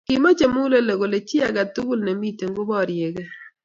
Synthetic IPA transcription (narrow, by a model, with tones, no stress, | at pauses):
kɪ˨mo˦t͡ʃe˨mu˦le˦le˨ɡo˨le˨t͡ʃɪ˦a˨ɡa˨t̪u˦ɡu˦lne˨mi˦˨te˨ŋɡo˦bɔ˦˨ɾje˨ɡe˦